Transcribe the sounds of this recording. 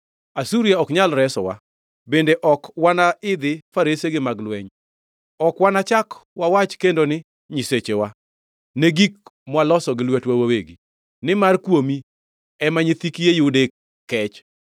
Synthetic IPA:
asuɾijaɔkɲalɾɛsɔ̰wa̰ | bendeʔɔkwanaɪd̪ɪfaɾeseɡɪmaɡlwɛɲ | ɔkwanat͡ʃakwawat͡ʃkendonɪ | ɲɪset͡ʃewa | neɡik̚mwalɔsɔɡɪlwetwawaweɡi | nɪmarkwomi | ɛmaɲɪt̪ikijejʊdek | kːɛt͡ʃ

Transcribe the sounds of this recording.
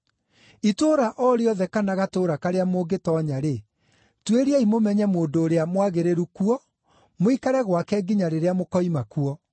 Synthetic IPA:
itoːɾaʔɔɾeɔðɛkanaɣatoːɾakaɾeamoːɡetɔɲaɾe | tweɾiaimomɛɲɛmoːndoːɾeamwaɣeɾeɾukuɔ | moikaɾɛɣwakɛɡiɲaɾeɾeamokɔimakuɔ

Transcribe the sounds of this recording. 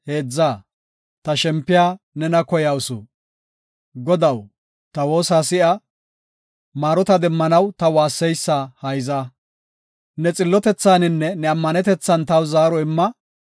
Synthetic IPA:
he̞ːd͡zːaː | t̪ɐʃɛmpːɪjaː | nɛnɐkɔjɐwsʊ̰ | ɡɔd̪ɐw | t̪ɐwo̞ːsaːsɪʔɐ | maːɾɔt̪ɐd̪ɛmːɐnɐwt̪ɐwaːsːɛjsːahɐjza | nɛt͡sʼɪlːɔt̪ɛt͡sːaːnɪnːɛnɛɐmːɐnɛt̪ɛt͡sːɐnt̪ɐwzaːɾɔɪmːɐ

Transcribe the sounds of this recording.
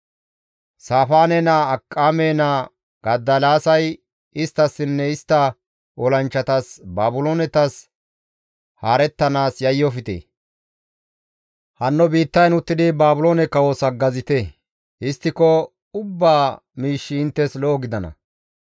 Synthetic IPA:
saːfaːnɛnɐɐkʼːameːnɐ | ɡ̥ɐd̪ːɐlaːsɐj | ɪst̪ːɐsːɪnːɛɪst̪ːɐ | ɔlɐnt͡ʃːɐt̪ɐsbaːbʊloːnɛt̪ɐs | haːɾɛt̪ːɐnaːsjɐjːɔfɪt̪ḛː | hɐnːɔbiːt̪ːɐjnʊt̪ːɪd̪ɪbaːbʊloːnɛkːɐwoːsɐɡːɐzɪt̪e | ɪst̪ːɪkɔ | ʊbːaː | miːʃːɪːnt̪ːɛslɔːɡɪd̪ɐnɐ̰

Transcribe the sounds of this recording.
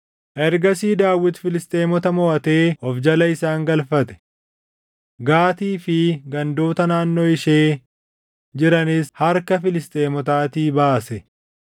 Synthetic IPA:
ʔɛɾɡɐsiːd̪aːwːɪt̪fɪlɪst̪ʼeːmɔt̪ɐmɔʔɐt̪e̞ːɔfd͡ʒɐlɐɪsaːŋɡɐlfɐt̪ɛ̥ | ɡaːt̪iːfɪɡɐnd̪oːt̪ɐnaːnːo̞ːɪʃeː | d͡ʒɪɾɐnɪshɐɾkɐfɪlɪst̪ʼeːmɔt̪aːt̪iːbaːsɛ

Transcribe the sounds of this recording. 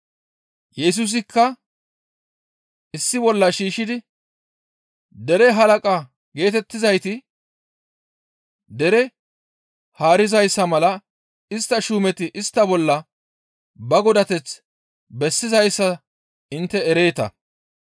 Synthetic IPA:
jɛs̬ʊs̬ɪkːɐ | ʔɪsːɪbɔlːɐʃiːʃɪd̪ɪ | d̪ɛɾɛɦɐlɐkʼɐ | ɡe̞ːt̪ɛt̪ːɪzɐjt̪ɪ | d̪ɛɾɛ | haːɾɪzɐjsːɐmɐlɐ | ɪst̪ːɐʃuːmɛt̪ɪʔɪst̪ːɐbɔlːɐ | bɐɡɔd̪ɐt̪ɛt͡s | bɛsːɪzɐjsːɐ | ɪnt̪ːɛɛɾe̞ːt̪ɐ̰

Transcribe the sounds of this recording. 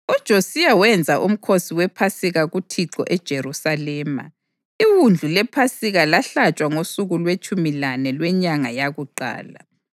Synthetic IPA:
ud̥ʒ̥ʱosijawɛnd͡zʱaʔum̩kʰosiwɛpʰasiɣaɣutʰiǁɔ̰ʔɛd̥ʒ̥ʱeɾusalɛːma̰ | iwund͡ɮʱulɛpʰasiɣalaɬat͡ʃʼwaŋosuɣulwet͡ʃʼumilanɛlwɛɲaŋajaɣuǃa̰ːla̰

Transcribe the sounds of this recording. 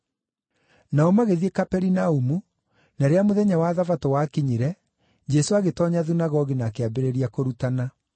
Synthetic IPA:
naɔmaɣeðiekapɛɾinaumu | naɾeamoðɛɲawaðavatɔwakiɲiɾɛ | d͡ʑɛsoaɣetɔɲaðunaɣɔɣinakeabeɾeɾiakoɾutana

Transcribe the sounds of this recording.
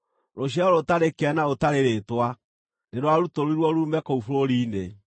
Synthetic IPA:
ɾoɕ̬aɔɾotaɾekɛnaotaɾeɾetwa | neɾwaɾutoɾoiɾwɔɾuːmbɛkoufuɾoɾiːne

